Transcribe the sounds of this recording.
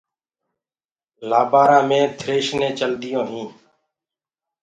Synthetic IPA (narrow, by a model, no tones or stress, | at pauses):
laːbaːɾãːmẽːt̪ʰɾeːʃnẽːt͡ʃəld̪ɪjõːɦĩː